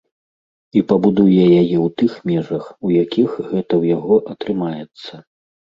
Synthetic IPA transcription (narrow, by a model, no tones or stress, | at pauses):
ipɐbud̪ujɛjajɛwt̪ɨxmʲɛʐɐxujakʲixɣɛt̪ɐwjaɣɔʔɐt̪ɾɨmajɛt̪sːɐ